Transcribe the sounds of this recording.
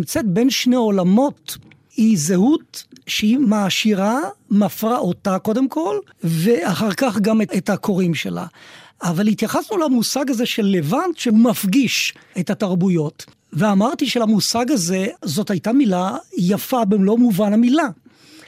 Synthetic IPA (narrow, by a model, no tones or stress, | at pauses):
mt͡setbe̞nʃneo̞lamo̞t | hizehutʃeimaːʃiʁamafʁaʔotako̞demkʰo̞l | veaχaʁkaχɡameetako̞ʁimʃe̞̰la̰avalit̪jaχasnulamusaɡazeʃelːevantʃehumafɡiʃethataʁbujo̞t | veamaʁtiʃelamusaɡaze̞zo̞thajtamilajafabemlo̞muvanamila